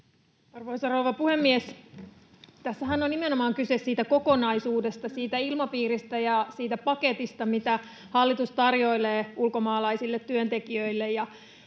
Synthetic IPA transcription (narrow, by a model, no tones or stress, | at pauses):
ɑrʋoisɑrouʋɑpuhe̞mːies | t̪æsːæɦænːonːimenomɑːŋkysessiːt̪æko̞ko̞nɑisuːde̞st̪ɑsiːt̪æilmɑpiːɾist̪æjɑsiːt̪æpɑket̪ist̪ɑmit̪æ | hɑlːit̪ust̪ɑrjo̞ileːulko̞mɑːlɑisilːet̪ːyønt̪e̞kiøilːejjɑ